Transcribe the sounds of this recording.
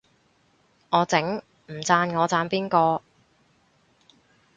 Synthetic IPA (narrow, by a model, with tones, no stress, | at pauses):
ŋɔː˨˧t͡sɪ˨˥ŋ | m̩˨˩t͡saː˧nŋɔː˨˧t͡saː˧npiː˥nkɔː˧